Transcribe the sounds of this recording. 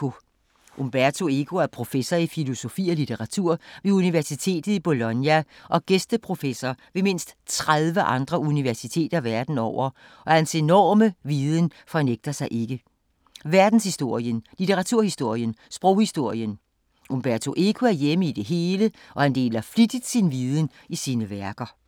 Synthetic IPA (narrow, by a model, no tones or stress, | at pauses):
o̝ | ʔomb̥æɐt͡sʰo̝e̝kʰo̝æɐpʰʁo̝fesɒifilo̝so̝fḭːɒlit͡sʰeʁɑ̈t͡sʰuɐ̰ʋe̝uniʋæɐsit͡sʰe̝̰ːd̥ð̩ˠib̥o̝lɒ̽njæʔɒ̽ɡ̥esd̥əpʰʁo̝fesɒʋe̝me̝n̰sd̥t͡sʰʁaðˠʋəʔɑ̈nd̥ʁɐuniʋæɐsit͡sʰe̝̰ːd̥ɐʋæɐd̥n̩ɒʊ̰ɐ | ʔɒ̽hænse̝nɒ̰ːməʋiːð̞ˠənfɒ̽neɡ̥̚d̥ɐsɑ̈ɪʔe̝ɡ̥ə | ʋæɐd̥n̩shisd̥o̝ɐ̰jənlit͡sʰeʁɑ̈t͡sʰuɐ̰hisd̥o̝ɐ̰jənsb̥ʁɔʊ̰hisd̥o̝ɐ̰jən | ʔumb̥æɐt͡sʰo̝ʔe̝ɡʰuæɐjeməid̥e̝ɦe̝ːləʔɒ̽hænd̥e̝̰ːlɐflid̥id̥sinʋiːðˠən̩ | isiːnəʋæɐɡ̥ɐ